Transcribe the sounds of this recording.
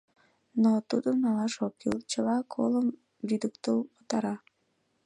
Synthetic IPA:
not̪ud̪onɑlɑʃokḭlt͡ɕəlɑkʰoləm | vid̪əkt̪əlpot̪ɑɾɑ

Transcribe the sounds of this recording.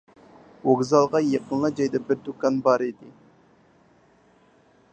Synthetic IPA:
woɡzɑlˠʁɑjeqənlˠɑd͡ʒɑjd̪ɑbɪɾd̪ukɑnbɑɾid̪ɪ

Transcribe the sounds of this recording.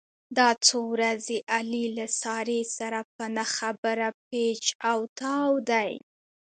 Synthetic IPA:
d̪ɑt͡sowɾazeʔalilasɑɾesaɾapənaxabəɾapet͡ʃawt̪ɑwd̪aj

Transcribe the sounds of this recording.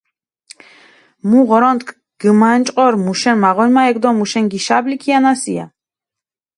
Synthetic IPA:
muʁɔɾɔnt̪kʰ | ɡ̥əmant͡ʃʼqʼɔɾmuʃɛnmaʁɔjmaɛɡd̪ɔmuʃɛŋɡiʃablikʰianasḭa̰

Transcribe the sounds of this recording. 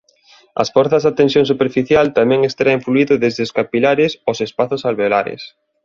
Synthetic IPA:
ɐ̰sfɔɾθɐzðat̪ensjõŋsupeɾfiθjalt̪amɛ̃ŋest̪aɾaiɱfluiðʊðezðɪskapilaɾɪsosespaθʊsalβelaɾɪ̰s

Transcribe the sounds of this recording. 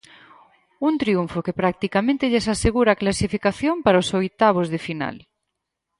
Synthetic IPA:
unt̪ɾiuɱfokepɾak̚t̪ikamẽnt̪eʎesaseɣuɾaːklasifikaθjompaɾaosojt̪aβ̞ozðɪfina̰l

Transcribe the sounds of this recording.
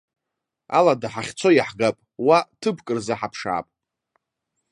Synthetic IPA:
a̰ladaħaχʲt͡sʰo̞jaħɡapʼwatʰɨbʰkʼɨrzaħapʰʂa̰ːpʼ

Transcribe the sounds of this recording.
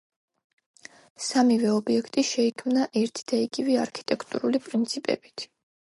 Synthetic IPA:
samivɛɔbiɛkʰt̪ʼiʃɛikʰmnaʔɛɾt̪ʰi̥d̪̥aiɡ̥ivɛaɾkʰi̥t̪ʼɛkʰt̪ʼṵɾulipʼɾint̪sʰipʼɛ̰b̥i̥t̪ʰ

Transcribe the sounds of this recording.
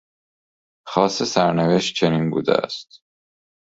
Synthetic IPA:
xɒːsesæɾneveʃt̪̚t͡ʃʰeniːnbṵːd̪ḛæ̰st̪

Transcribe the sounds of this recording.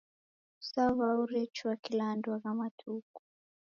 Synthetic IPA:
saβauɾɛt͡ʃuakilandwaɣamatʰuku̥

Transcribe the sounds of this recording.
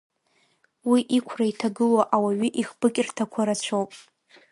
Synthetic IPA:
wiʔikʷʰraitʰaɡɨloʔawaɥʏʔiχb̥ɨkʲʼrtʰakʷʰaɾat͡ɕʷʰowpʼ

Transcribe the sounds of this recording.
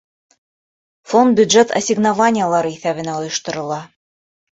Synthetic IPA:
font̪̚bʲjʉd̪ʒet̪ʰɐ̰sʲɪɡnavanʲɪjəlˠɑɾɤiθæβɘ̆næŏjŏʃt̪ŏɾɤ̆lˠɑ

